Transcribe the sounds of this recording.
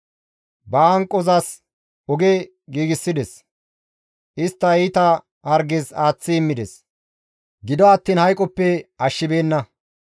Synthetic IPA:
bɐɐŋkʼːɔzɐs | ɔɡe | ɡiːɡɪsːɪd̪ɛs | ʔɪst̪ːɐiːt̪ɐ | hɐɾɡɛzaːt͡sːɪɪmːɪd̪ɛs | ɡɪd̪ɔɐt̪ːiːnhɐjkʼɔpːɛɐʃːɪbe̞ːnːɐ

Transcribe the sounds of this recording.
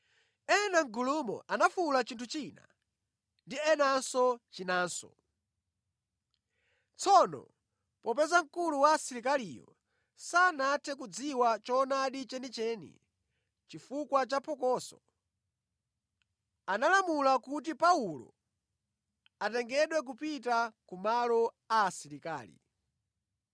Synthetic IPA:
ɛnaŋ̩ɡulumɔ̰ʔanafulat͡ʃintʰut͡ʃina̰ | ndiɛnansɔt͡ʃinaːnsɔ̰ | t͡sʰɔnɔ̰ | pɔpɛzaŋ̩kuluwasiɾik̬alijɔ̰ | sanatʰɛk̬ud͡ziwat͡ʃɔnaɗit͡ʃɛnit͡ʃɛːnḭ | t͡ʃifukwat͡ʃapʰɔkɔːsɔ̰ | analamulakut̬ipaulɔ̰ | atɛŋɡɛɗwɛk̬upitakumalɔ | aːsiɾika̰ːlḭ

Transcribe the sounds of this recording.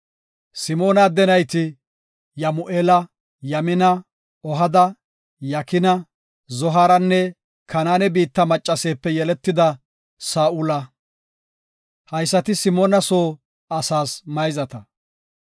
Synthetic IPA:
sɪmo̞ːnɐd̪ɛnɐjt̪ɪ | jɐmʊʔeːlɐ | jɐmɪnɐ | ɔɦɐd̪ɐ | jɐkɪnɐ | zɔɦaːɾɐnːɛ | kʰɐnaːnɛbiːt̪ːɐmɐt͡ʃʼːɐse̞ːpːɛjɛlɛt̪ːɪd̪ɐ | saːʔʊlɐ | hɐjsːɐt̪ɪsɪmoːnɐso̞ː | ɐsaːsmɐjzɐt̪ɐ

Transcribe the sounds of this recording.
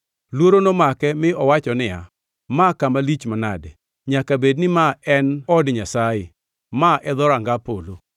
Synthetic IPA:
lwoɾonomakɛmɪɔwat͡ʃɔnɪa̰ | makamalit͡ʃmanadɛ | ɲakabednɪmaɛnɔdɲasajɪ̰ | maʔɛd̪ɔɾaŋɡapolo

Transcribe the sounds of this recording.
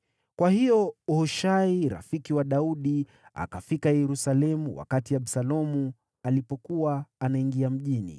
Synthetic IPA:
kwahijɔhɔʃaiɾa̰fikiwaɗauɗi | a̰kafikajɛɾusalɛmuwa̰katiaɓsalɔmu | alipɔkuwaːnaiŋɡiam̩ʄinḭ

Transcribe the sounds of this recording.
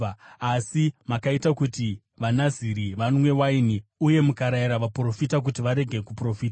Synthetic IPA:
asimakaitakuti | ʋanaziɾiʋanmwe̞wainiuje̞mukaɾaiɾaʋapro̞fitak̬utiʋaɾe̞ɡʱe̞kupro̞fiːta

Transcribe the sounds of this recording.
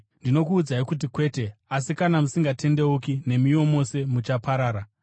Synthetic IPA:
ndino̞kuːd͡zaikut̬ikwe̞ːte̞asikanamusiŋɡatʰe̞ndeukine̞mio̞mo̞se̞mut͡ʃapaɾaːɾa

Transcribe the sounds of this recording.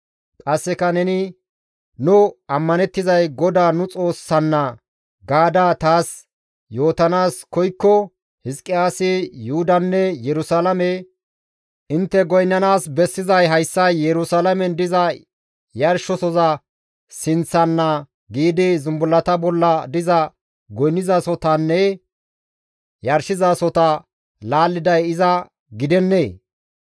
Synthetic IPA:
kʼɐsːɛkɐnɛnɪ | nʊɐmːɐnɛt̪ːɪzɐjɡɔd̪aːnʊt͡sʼo̞ːsːɐnːɐ | ɡaːd̪aːt̪aːs | jo̞ːt̪ɐnaːskɔjkːɔ | hɪskʼːɪaːsɪjʊhʊd̪ɐnːɛjɛɾʊsaːlɐmɛ | ʔɪnt̪ːɛɡɔjnːɐnaːsbɛsːɪzɐjɦɐjsːɐjːɛɾʊsaːlɐmɛnd̪ɪzɐ | jɐɾʃɔsɔzɐ | sɪnt͡sːɐnːɐ | ɡiːd̪ɪzʊmbʊlːɐt̪ɐbɔlːɐd̪ɪzɐ | ɡɔjnːɪzasɔt̪ɐnːɛ | jɐɾʃɪzasɔt̪ɐ | laːlːɪd̪ɐjɪzɐ | ɡɪd̪ɛnːeː

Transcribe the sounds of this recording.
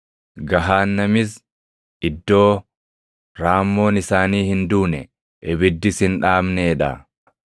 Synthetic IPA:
ɡɐɦaːnːɐmɪs | ʔɪd̪ːo̞ː | ɾaːmːo̞ːnɪsaːniːhɪnd̪uːnɛ | ʔɛbɪd̪ːɪsɪnᶑaːmneːᶑɐ̰

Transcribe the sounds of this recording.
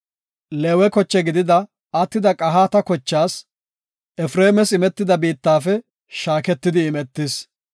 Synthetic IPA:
leːwɛkɔt͡ʃːɛɡɪd̪ɪd̪ɐ | ɐt̪ːɪd̪ɐkʼɐɦaːt̪ɐkɔt͡ʃːaːs | ʔɛfɾe̞ːmɛsɪmɛt̪ːɪd̪ɐbiːt̪ːaːfɛ | ʃaːkɛt̪ːɪd̪ɪːmɛt̪ːɪs

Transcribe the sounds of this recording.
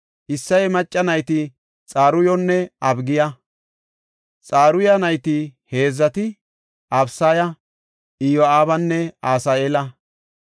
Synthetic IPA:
ʔɪsːɐjmɐt͡ʃʼːɐnɐjt̪ɪ | t͡sʼaːɾʊjɔnːɛʔɐbɡɪjɐ | t͡sʼaːɾʊjɐnɐjt̪ɪhe̞ːzːɐt̪ɪ | ʔɐbsaːjɐ | ʔɪjwɔaːbɐnːɛaːsaːeːlɐ

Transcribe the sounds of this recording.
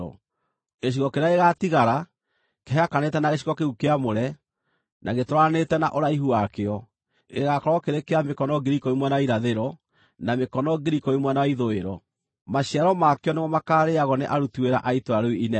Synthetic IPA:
ɔ̰ | ɣeɕ̬iɣɔkeɾeaeɣatiɣaɾa | keɦeakanetɛnaɣeɕiɣɔkeukeamoɾɛ | naɣetoɾanetɛna̰ʔoɾaiɦuakeɔ | ɣeɣakɔɾɔkeɾekeamekɔnɔɡeɾikɔimwɛnawaiɾaðeɾɔ | namekɔnɔɡiɾikɔimwɛnawaiðoeɾɔ | maɕiaɾɔmakeɔnemɔmakaɾeaɣɔneʔaɾutueɾa̰ʔaitoaɾoiinɛ

